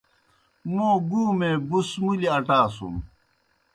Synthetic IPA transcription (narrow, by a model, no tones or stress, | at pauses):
moːɡuːmeːbusmuliɐʈaːsṵm